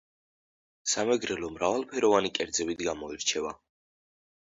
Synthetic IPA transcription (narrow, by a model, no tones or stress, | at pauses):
samɛɡɾɛlɔmɾavalˠpʰɛɾɔvanikʼɛɾd̪zɛbid̪ɡamɔiɾt͡ʃʰɛva̰